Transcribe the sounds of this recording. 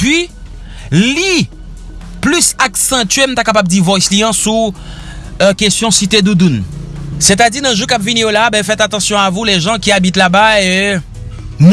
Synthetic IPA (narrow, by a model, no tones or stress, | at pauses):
pɥi | li | plysaksɛ̃t͡ʃ̪ɥem̩t̪akapab̚d̪ivɔjsliɑ̃su | kest̪jɔ̃sit̪ed̪ud̪unset̪adiʁnɛ̃ʒukapviniolabɛ̃fɛt̪at̪ɑ̃sjɔ̃avuleʒɑ̃kʲiabit̪labae | m